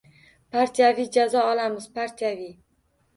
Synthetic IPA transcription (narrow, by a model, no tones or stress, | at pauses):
pʰaɾt̪ʰijavijd͡ʒazɒɒlamɪzpʰaɾt̪ʰijavij